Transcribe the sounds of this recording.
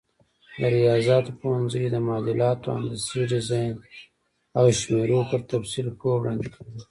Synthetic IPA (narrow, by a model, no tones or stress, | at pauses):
d̪əɾijɑzɑt̪opowanzəjd̪əmɑːd̪ɪlɑːt̪oa̰nd̪asiɖɪzɑjn | awʃmeɾopəɾt̪afsilkowɽɑnd̪ikʰɡi